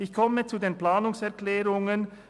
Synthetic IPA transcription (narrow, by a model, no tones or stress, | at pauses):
ɪçkʰɔmət͡sudeːnplaːnʊŋsɛɐʁklɛːʁʊŋən